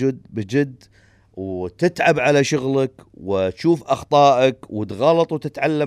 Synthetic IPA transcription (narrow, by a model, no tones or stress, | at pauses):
ɪd̪bɪd͡ʒɪd̪ː | wt̪ɪt̪ʕabʕalaʃʊɣlakwɪt̪ʃuːfʔɑxt̪ˤɑːʔakwɪt̪ɣɑlɑt̪ˤwt̪ɪt̪ʕalːa